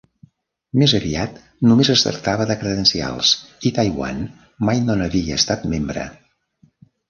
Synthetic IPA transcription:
mezəβiat̪ | numezəst̪ə̰ɾt̪aβəðəkɾəðənsia̰lˠsit̪ajwa̰n | majnonəβiəːst̪at̪membɾə̰

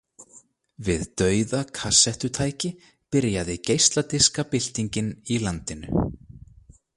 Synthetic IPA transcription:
vɪðt̪œːɥðakʰasːɛht̪ʏt̪ʰaːjcɪ | pɪɾjaðɪcejst̪lat̪ɪskapɪl̥t̪iɲcɪnilant̪ɪnʏ̰

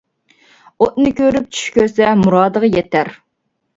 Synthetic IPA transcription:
ot̪̚nɨkʲʰøɾyp̚t͡ʃʰy̥ʃkʲøɾsɛmuɾɑːd̪əʁɑjɛt̪ʰæɾ

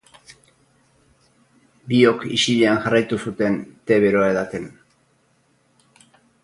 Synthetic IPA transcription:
bio̞kḭʃiʎeanʝarajt̪usut̪e̞nt̪e̞βe̞ɾoaeðat̪en

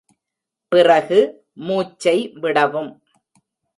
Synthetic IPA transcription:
pɪrɐɣɯ | muːt͡ʃːɐɪʋɪɽɐʋɯm

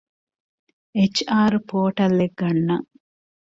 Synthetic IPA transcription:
et͡ʃaːɾupoːʈɐlːeɡːɐnːɐ

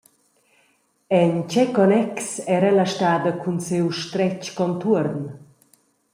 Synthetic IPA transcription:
ɛnt͡ʃɛkɔnɛksɛɾɛlaʃtaːd̪əkʰunsewʃt̪ɾɛt͡ʃkɔnt̪uɾn

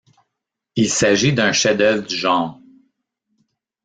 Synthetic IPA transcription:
ilsaʒid̪ɛ̃ʃɛd̪œvʁd̪yʒɑ̃ːʁ

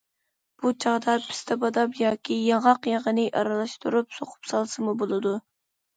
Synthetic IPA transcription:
b̥ut͡ʃʰɑʁd̪ɑpʰɪ̥st̪ʰɛbɑd̪ɑpjɑkʲʰijɑɴɑqjɑʁənɨʔɑ̰ɾɑlˠɑʃt̪uɾupsoqʰʊ̥psɑlˠsɨmubolˠɨd̪u

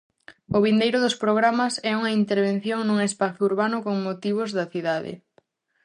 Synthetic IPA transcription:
ʊβind̪ejɾʊðʊspɾoɣ̞ɾamɐsɛuŋɐint̪eɾβen̟θjoŋnuŋespaθʊuɾβanʊkoŋmot̪iβ̞ʊzðɐθiðaðɪ̰

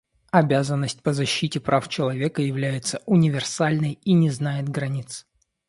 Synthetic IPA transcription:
ɐbʲazənːəsʲtʲpəzɐɕːitʲɪpɾʔaft͡ɕɪlˠɐvʲe̞kəjɪvlʲæjɪt̪səʔʊnʲɪvʲɪrsalʲnəjinʲɪznajɪt̪ɡɾɐnʲit̪s

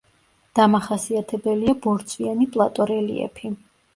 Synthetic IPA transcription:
d̪̥amaχasiat̪ʰɛbɛliabɔɾt̪sʼʰwianipʼlˠat̪ʼɔɾɛlḭɛ̰pʰi

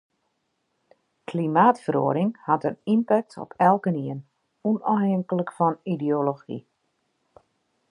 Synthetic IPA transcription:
klimaːtfəɾo̰əɾɪŋhatənimpɛk̚tɔ̰pʰɛlˠkəniən | unɔəŋkələkfɔnidioloxḭ

